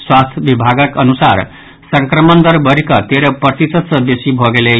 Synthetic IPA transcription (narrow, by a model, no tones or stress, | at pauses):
swast̪ʰjbibʱaɡʌkʌnusaɾ | sʌŋkɾʌmʌnd̪ʌɾbʌɾikʌt̪eɾʌprʌt̪isʌt̪sʌbesibʱʌɡele